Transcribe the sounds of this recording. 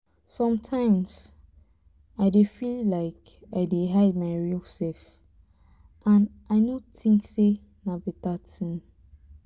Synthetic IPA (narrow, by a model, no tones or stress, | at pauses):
sɔ̃mtʰãɪ̃mz | aɪdefillaɪk | aɪdeɦaɪd̚maɪɹilsɛf | ʔãnʔaɪnotʰĩŋkse | nabɛtatʰĩn